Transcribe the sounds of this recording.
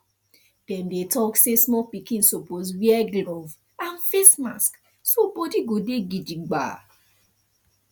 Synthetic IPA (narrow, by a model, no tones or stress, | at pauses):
d̥ɛmdetɔksesmɔpikĩnsopozwiɛɡlov | ãnfesma̰sk | sobodiɡodeɡid͡ʒiɡ͡ba̰